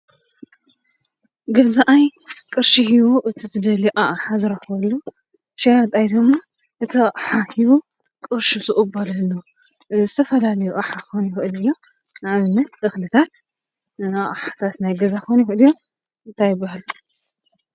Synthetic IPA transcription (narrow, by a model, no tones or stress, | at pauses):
ɡɐzaʔajkʼɨɾʃihiwoʔɨt̪ʰizɨd̪ɐliʔaʔħazɨɾɐxwɐlːo | ʃajat̪ʼajd̪ɨɡmːa | ʔɨt̪ʰɨħahiβu | kʼɨɾʃuzɨʔʼɨbɐlɐlːo | zɨt̪ʰɐfɐlalɐjuʔʼaħakojnjɪxʔɨlɨjːo̞ | nɨʕaβɨnːɐt̪ʔɨxlɨt̪ʰat̪ | aʔʼħat̪ʰat̪najɡɐzakojnjɛxɨʔɨlɨjːo̞ | ɨnt̪ʰajɪbɐhl